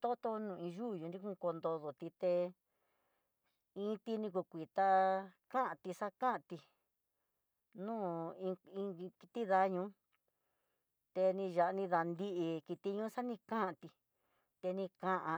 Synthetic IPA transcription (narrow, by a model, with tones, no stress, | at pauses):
t̪o˦t̪o˧nũ˧˨ĩ˧ʒu˦˨jũ˧nɾi˦kũ˦˧ko˧nd̪o˧ðo˨t̪i˧t̪e˧ | ĩ˧˦t̪i˧nĩ˧k̬u˧˨kʷi˨t̪a˧kã˦ʔã˧t̪i˧sa˦kã˦ʔt̪i˧ | nũː˦ĩ˧ĩ˧ki˧t̪i˦ða˧ɲũː˧˦ | t̪e˧nĩ˧ʒa˨ʔnĩ˧ða˧nd̪i˦ʔi˧ki˧t̪i˧ɲũ˦sa˦nĩ˧kã˦ʔa˧t̪i˧ | t̪e˧nĩ˧kã˧ʔã˧